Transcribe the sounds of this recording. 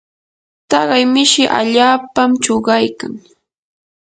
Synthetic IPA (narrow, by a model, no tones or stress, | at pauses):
t̪ɑɢɑjmɪʃɪʔa̰ʎaːpamt͡ʃoɢɑjkaŋ